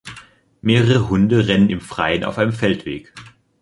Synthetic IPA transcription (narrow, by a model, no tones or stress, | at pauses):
meːʁəʁəɦʊndəʁɛnənɪmfʁ̥a̰ɪənʔa̰ʊfʔaɪnəmfɛltv̥eːk